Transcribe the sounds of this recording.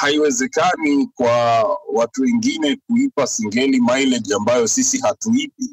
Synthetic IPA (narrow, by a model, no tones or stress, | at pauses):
haiwɛzɛkanikwawatuwɛŋɡinɛk̚uipasiŋɡɛlimajlɛdambajɔsisihatuipi